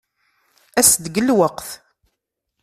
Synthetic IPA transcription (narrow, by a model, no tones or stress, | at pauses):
æsd̪ɡəlwəqθ